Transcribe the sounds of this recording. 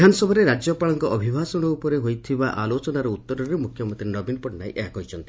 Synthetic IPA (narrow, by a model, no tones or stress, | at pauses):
anɔsɔbʱɔɾeɾad͡ʒɔpaɭɔŋkɔʔɔbʱibʱasɔɽ̃ɔupɔɾeɦojt̪ʰibaʔalot͡ʃɔnaɾɔut̪ːɔɾɔɾemukʰjɔmɔnt̪ɾinɔbinɔpɔʈnajʔeɦakɦɔjt͡ʃʰɔnt̪i